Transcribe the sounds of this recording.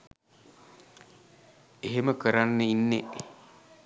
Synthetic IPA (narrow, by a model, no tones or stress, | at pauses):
eɦeməkəɾanːəinːe